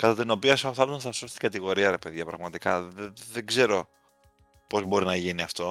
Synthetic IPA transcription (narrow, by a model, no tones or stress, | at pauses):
kɐt̪ɐt̪ino̞piɐsoθɐlunɐθɐso̞st̪iɡɐt̪iɣo̞ɾiɐɾe̞pe̞ðʝɐpɾɐ̰ɣmɐt̪ikɐððeɡze̞ɾo̞ | po̞zbo̞ɾinɐʝiniɐft̪o̞